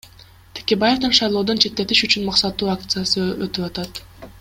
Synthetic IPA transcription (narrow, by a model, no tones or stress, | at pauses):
t̪ʰe̥kʲe̞baje̞vd̪enʃɑjlˠo̞ːd̪o̞nt͡ʃʰe̞t̪ːe̞t̪iʃyt͡ʃynmɑqsɑt̪ːuːak̚t̪sɨjasɯøt̪ypɑt̪ɑt̪